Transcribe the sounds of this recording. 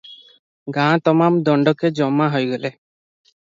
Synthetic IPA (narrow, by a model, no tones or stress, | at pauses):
ɡãːt̪ɔmamd̪ɔɳɖɔked͡ʒɔmːaɦojɡɔle